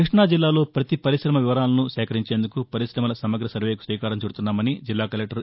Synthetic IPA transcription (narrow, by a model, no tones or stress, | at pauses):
kɾiʂɳaːd͡ʒilːaːlo̞ːpɾɐt̪ipɐɾiʃɾɐmɐʋiʋɐɾaːlɐnusɛːkɐɾiɲt͡ʃe̞ːnd̪ukupɐɾiʃɾɐmɐlɐsɐmɐɡɾɐsɐɾʋeːjku̥sʋiːkaːɾɐmt͡ʃuːɽut̪unːaːmɐnid͡ʒilːaːkɐlek̚ʈɐɾ